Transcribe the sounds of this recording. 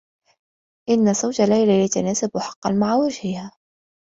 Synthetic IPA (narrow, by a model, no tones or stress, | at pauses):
ʔɪnːazawd͡ʒalːajlalɪt̪anaːsabʊħɑ̥qːɑnmaʕawad͡ʒhɪhaː